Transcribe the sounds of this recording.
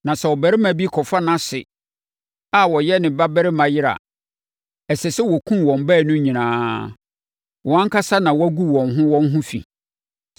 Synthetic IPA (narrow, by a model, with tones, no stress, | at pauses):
nã˨sɛ˨wɔ˨bæ˨ɾɪ˦mã˨bi˦kʰɔ˨fa˦nã˦sɪ̰˨ | a˨wɔ˨jɛ˦nɪ̃˨ba˦bɛ˦ɾɪ˦mã˨jɪ˦ɾa̰˨ | ɛ˨sɛ˨sɛ˦wɔ˨kʰũ˦nwɔ̃˨mbæː˦˨nʊ̃˦ɲĩ˨nãː˨˦ | wɔ˨ã˦ŋ˦kʰa˦sa˦nã˨wɔ˦æ˦ɡu˦˨wɔ̃˨nɦʊ̃˦wɔ̃˦n˦ɦʊ̃˦fḭ̃˨